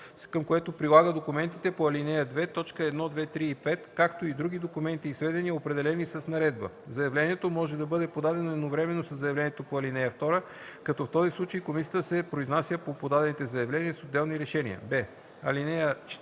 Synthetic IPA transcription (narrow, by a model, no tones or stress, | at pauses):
kəmkoɛt̪opɾilˠaɡəd̪okumɛnt̪it̪ɛpoɐlinɛjəd̪vɛt̪ɔt͡ʃkəɛd̪nɔd̪vɛt̪ɾiːpɛt̪kakt̪oid̪ɾuɡ̟id̪okumɛnt̪iːsvɛd̪ɛniəopɾɛd̪ɛlɛnisɐsnɐɾɛd̪̚bə̰ | zɐjɐvlɛniɛt̪omɔʒɛd̪ɐbɤd̪ɛpod̪ad̪ɛnoɛd̪novɾɛmɛnːosɐzːɐjɐvlʲɛnijɛt̪opoɐlinɛjəft̪ɔɾə | kɐt̪ɔft̪ɔzislˠut͡ʃəikomisijət̪əsɛpɾoiznasjəpopod̪ad̪ɛnit̪ɛzɐjɐvlɛniəsod̪ːɛlˠniɾɛʃɛnḭə̰bɛ | ɐlinɛjət͡ʃ